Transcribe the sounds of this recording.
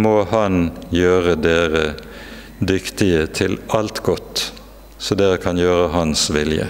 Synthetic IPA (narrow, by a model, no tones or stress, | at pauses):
moːhɑnjøːʁəd̪eːʁə | d̪ʏkt̪ɪət̪ʰɪlɑlt̪ɡɔt̪ | sɔd̪eːɾəkʰɑnjøːʁəɦɑnsʋɪljə̰